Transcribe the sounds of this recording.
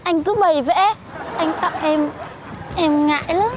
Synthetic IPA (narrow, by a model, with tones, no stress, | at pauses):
ʔa˧jŋ̟kɨ˨˦ɓə˨˩jvḛ˧˥ | ʔa˧jŋ̟t̪ə˨˩p̚ʔɛ˧m | ʔɛ˧mŋa̰ː˧˨jləː˨˦